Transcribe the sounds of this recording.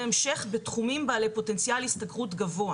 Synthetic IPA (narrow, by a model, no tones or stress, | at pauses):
emʃe̞χbetχumimbaːle̞jpo̞te̞nt͡sjalistaɡʁutɡavo̞a